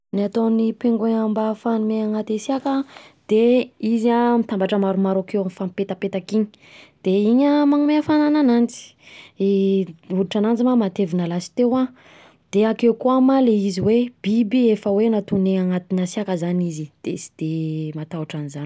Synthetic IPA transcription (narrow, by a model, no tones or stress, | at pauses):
niat̪onipeŋɡeambafanumeaŋat̪asiakəd̪̥eiziamit̪ambaʈ͡ʂəmaɾumaɾakewafampet̪əpet̪akiɲi̥ | d̪̥eiɲəmaŋumeafanananant͡si̥ | uluʈ͡ʂanand͡zimamat̪evinəlasi̥t̪ewa | d̪̥eakewkuamaleiziweb̥ibiefəwenat̪uneaŋat̪inasiakəzanizid̪̥esi̥d̪̥emat̪auʈ͡ʂanizani̥